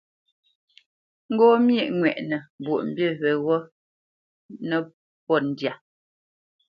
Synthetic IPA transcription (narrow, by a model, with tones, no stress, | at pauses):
ŋ̩˦ɡɔː˦mji˦˨ʔŋwɛ˨ʔnə˨bwo˨ʔm̩˨bjə˦˨βɛ˨ɣɔ˦ | nə˦ | pɔ˦˨n̩˨dja˨